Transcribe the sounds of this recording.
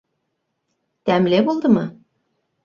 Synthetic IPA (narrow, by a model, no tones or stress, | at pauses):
t̪æmleβolˠd̪ɤ̆mɤ